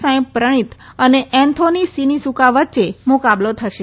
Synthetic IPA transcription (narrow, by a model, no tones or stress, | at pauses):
sãpɾəɽ̃it̪əneʔɛ̃nt̪ʰonisinisukaʋətːt͡ʃemokablot̪ʰəʃe